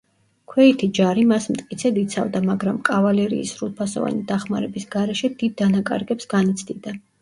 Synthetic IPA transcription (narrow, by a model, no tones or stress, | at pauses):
kʰwɛit̪ʰid͡ʒaɾimasmt̪ʼkʼit̪sʰɛd̪it̪sʰavd̪amaɡɾamkʼavalɛɾḭːsɾul̚ˠpʰasɔ̰va̰nid̪aχma̰ɾɛbisɡaɾɛʃɛd̪id̪ːanakʼa̰ɾɡɛpsɡanit̪sʰd̪id̪a